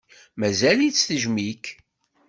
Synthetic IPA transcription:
mæzælit͡sːθəʒmik

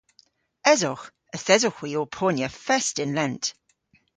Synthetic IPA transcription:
ɛzɔx | əθɛzɔxwiːɔlpʰoːnjəfɛstɪ̃nlɛ̃nt

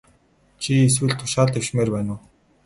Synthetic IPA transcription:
t͡ɕʰies̬wɘ̆ɮt̪ʰːʊ̥ʃaːɮt̪ewʃmeːrpæːnʊː

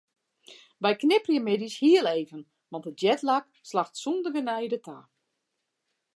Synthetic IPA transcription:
bɛjknɪprjəmɪdishiəlˠeːvən | ʋɑntət̚jɛtlak | slaxtsundəɡənɛjdətʰaː

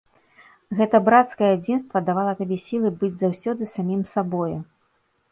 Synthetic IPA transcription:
ɣɛt̪ɐbɾat̪skɐjɛad͡zʲinst̪vɐd̪avalˠɐt̪abʲɛsʲilˠɨbɨd͡zʲzawsʲɔd̪ɨsamʲimsabɔju

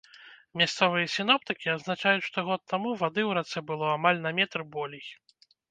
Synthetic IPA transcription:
mʲast̪sɔvɨjɐsʲin̪ɔp̚t̪ɨkʲiaznat͡ʂajut͡sʲʂt̪ɔɣɔt̪ːamuvad̪ɨwɾat̪sɛbɨlˠɔamalʲnɐmʲɛt̪rbɔlʲij

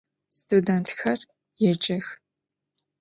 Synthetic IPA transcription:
stʰudɛntxɐr | jɛt͡ʃʼɐx

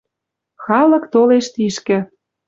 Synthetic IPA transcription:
xɑlɤ̆kt̪oleʃt̪iʃkɘ̆

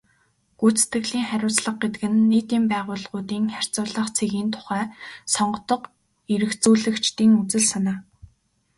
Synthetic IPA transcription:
ɡ̥ujt͡se̥t̪ɡɘ̆ɣɮiːŋχæɾʲʊːt͡sɮə̆χ̚ɡet̪ɡɘ̆nːeːt̪iːmpæːʁʊːɮʁʊːt̪iːŋχær̥ʲt͡sʊːɮə̆χt͡sʰeɣiːnt̪ʰʊ̥χæːsɔɴɢɞ̆t̪ɞ̆q | iɾɘ̆xt͡suːɮɘ̆kt͡ɕt̪iːŋut͡sɘ̆ɮsanaː

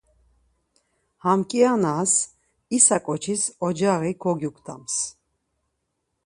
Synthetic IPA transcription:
hamkʼianas | isakʼɔt͡ʃʰisɔd͡ʒaʁikʰɔɡjukʰʼt̪ʰa̰ms

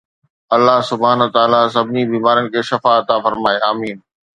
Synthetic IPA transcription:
ɐlːaɦsʊbʱaːnət̪aːlasɐbʱɪnibiːmaːɾənɪ̆kʰeːʃɐfaɐt̪afɐɾmaːeaːmiːn

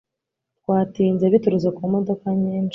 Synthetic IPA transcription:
t̚waːtiːnzeβituɾuzekumo̞do̞kaɲiːnʃi̥

